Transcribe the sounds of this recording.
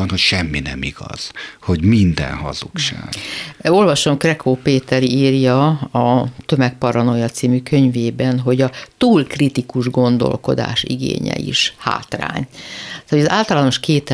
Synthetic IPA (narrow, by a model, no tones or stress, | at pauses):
nho̞cʃɛmːinɛmiɡ̥ɒz̥ho̞ɟmind̪ɛ̰nhɒzukʃa̰ːɡo̞lvɒʃo̞mkrɛkʰoːpeːt̪ɛɾiːrjɒɒt̪ø̞mɛk̚pɒɾɒnojɒt̪siːmykø̞ɲveːbɛnɦo̞ɟɒt̪uːlkrit̪ikuʒɡo̞nd̪o̞̰lko̞̰d̪a̰ːʃiɡḛːɲɛ̰ḭʃha̰ːt̪ra̰ːɲ | oɒzaːlt̪ɒlaːno̞ʃkeːt̪